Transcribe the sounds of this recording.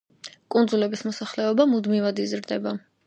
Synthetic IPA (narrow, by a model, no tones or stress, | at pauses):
kʼund̪zulɛbismɔsaχlɛɔbamud̪mivad̪izɾd̪ɛba